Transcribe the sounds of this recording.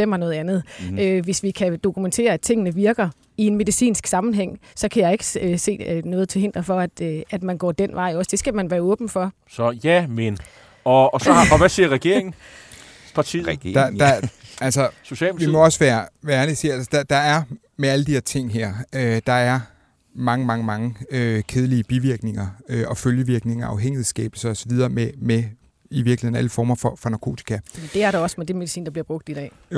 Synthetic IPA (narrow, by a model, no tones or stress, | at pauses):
em̰ɐnɔ̽ːð̞̩ˠænð̞̩ˠøʋe̝sʋikʰæd̥o̝kʰument͡sʰe̝̰ːɐæd̥̚t͡sʰe̝ŋ̰ənəʋiɐɡ̥ɐ | ie̝nme̝ðˠisḭːnsɡ̥sɑ̈mn̩ɦeŋ̰sɒ̽kʰæjɑ̈e̝ɡ̥ə̥se̝̰ːnɔ̽ːð̞̩ˠt͡sʰe̝lhe̝n̰d̥ʁɐfɒ̽æd̥æd̥mænɡ̥ɒ̰ːd̥en̰ʋʔɑ̈ɪ̰ɒ̽sd̥e̝sɡ̥æmænʋæːɐɔ̽ːb̥n̩fɒ̽ | sɒjæmen | ɒsɒɑɒʋæsiɐʁɛɡ̥e̝ɐeŋ̩ | pʰɑ̈t͡sʰid̥ɑælsɒso̝ɕɛ̰lmʋimɒ̽ɒ̽sʋæːɐʋæːɐnesiælsə̥d̥ɑ̈d̥ɑ̈æɐ | meæləd̥iheɐt͡sʰe̝ŋ̰ɦæɐ̰ød̥ɑ̈æɐ | mɑ̈ŋəmɑ̈ŋəmɑ̈ŋəøkʰeð̞ˠəliəb̥iʋiɐɡ̥ne̝ŋɐøʔɒ̽føljəʋiɐɡ̥ne̝ŋɐɑ̈ʊɦeŋ̰ihð̩ˠsɡ̥ɛ̰ːb̥l̩sɐɒ̽sɒ̽ʋið̞ˠɐːmeme | iʋiɐ̥l̩he̝ðˠn̩æləfɒːmɐfɒfɒ̽nɑ̈kʰo̝̰ːt͡sʰi̥kʰæmend̥e̝æɐɾɑɒ̽smed̥emeð̥isḭːndɑ̈b̥liɐb̥ʁɔ̽ɡ̥d̥id̥ɛ̰ː